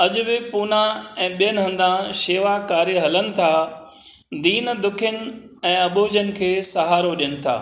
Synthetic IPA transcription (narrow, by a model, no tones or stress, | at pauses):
ɐʄʊbɪpuːnãɛ̃ːɓijənɪ̆ɦɐ̃nd̪ãʃeːʋakaːɾeɦɐlənɪ̆t̪ʰaː | d̪iːn̆d̪ʊkʰɪjənɪ̆ | ɛ̃ːɐboːd͡ʑənɪ̆kʰeːsɐɦaːɾoʄijənɪ̆t̪ʰa̰ː